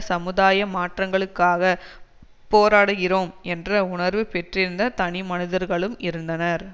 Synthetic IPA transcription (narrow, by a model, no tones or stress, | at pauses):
sɐmɯðaːjɐmaːʈrɐŋɡɐɭɯkːaːɣɐ | poːɾaːɽɯɣɪɾoːmɛndrɐʊɳɐɾʋɯpɛʈrɪɾɯnd̪ɐt̪ɐnɪmɐnɪðɐɾɣɐɭɯmɪɾɯnd̪ɐnɐɾ